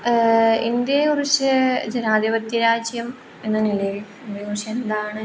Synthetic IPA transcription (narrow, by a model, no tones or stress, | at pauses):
ind̪jɐkurit͡ɕːɨd͡ʑenaːd̪ibɐt̪jɐɾaːd͡ʑjɐm | e̞nːɨniɭɐjil | ubɐjoːɕɐend̪aːɳɨ